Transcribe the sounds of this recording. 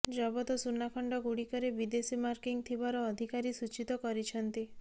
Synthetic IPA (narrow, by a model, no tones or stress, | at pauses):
d͡ʒɔbɔt̪ɔsunːakʰɔɳɖɔɡuɽikɔɾebid̪esimaɾkiŋt̪ʰibaɾɔːd̪ʱikaɾisut͡ʃit̪ɔkɔɾit͡ʃʰɔnt̪i